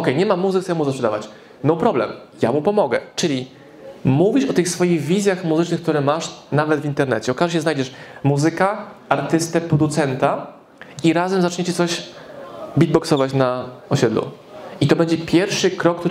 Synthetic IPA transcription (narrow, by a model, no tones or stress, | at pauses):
ɔkɛjɲɛmamːuzɘksɛɛmuzaspʂɛd̪a̰vat͡ɕ | nɔpɾɔblɛ̰m | ja̰mupɔmɔɡɛ̰t͡ʂɘlʲi | muvʲiʂɔt̪ɘxsfɔjiɣvʲizʲjaxmuzɘt͡ʂnɘxkt̪uɾɛmaʂnavɛd̪vʲint̪ɛɾnɛt͡ɕɛɔkaʐɛɕ̬ɛznajd͡ʑɛʂmuzɘkaaɾt̪ɘst̪ɛpɾɔd̪ut̪sɛnt̪a | iɾazɛmzat͡ʂɲet͡ɕɛt̪sɔɕ | bʲid̪̚bɔksɔvat͡ɕnaɔɕɛd̪lṵ | it̪ɔbɛɲd͡ʑɛpʲjɛɾfʂɘkɾɔkt̪uɾ